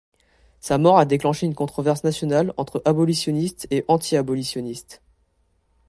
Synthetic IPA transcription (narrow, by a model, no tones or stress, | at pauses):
samɔʁad̪eklɑ̃ʃeynkɔ̃t̪χɔvɛʁsnasjɔnalɑ̃t̪χəʔabɔlisjɔnist̪eʔɑ̃t̪ʰiabɔlisjɔnist̪